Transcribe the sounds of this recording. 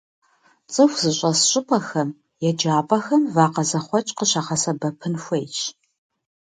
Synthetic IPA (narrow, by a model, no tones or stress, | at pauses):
t͡sʼɨxʷz̥ɨɕʷʼɐsɕʼɪpʼɐxɐm | jɛd͡ʒaːpʼɐxɐmvaːqɐzɐχʷɔt͡ʃʼqəɕaχɐsɐbɐpʰɨnxʷejt͡ʃʰ